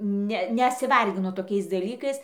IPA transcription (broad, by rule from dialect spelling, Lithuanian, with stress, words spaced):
ˈnʲɛ nʲɛsʲɪˈʋɐrʲɡʲɪnʊ toːˈkʲɛɪs dɐˈlʲiːkɐɪs